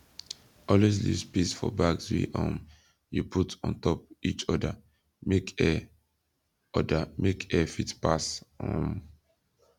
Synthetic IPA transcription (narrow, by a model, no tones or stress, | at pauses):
ɔlwes̬lḭspisfɔ̰baɡswḭʔɔ̃m | jupʰutɔ̰̃ntɔp̚it͡ʃɔda | mekɛ | ɔdamekɛfitpasɔ̃n